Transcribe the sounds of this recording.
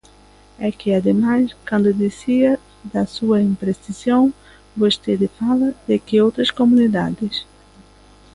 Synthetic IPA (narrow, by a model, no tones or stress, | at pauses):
ɛkɪad̪emajskɐ̃nd̪ʊd̪isiɐ | d̪ɐsuɐĩmpɾest̪izjõw̃ | vost̪ed̪ɪfalɐd̪ekɪowt̪ɾɐskomũnid̪a̰d̪ɪs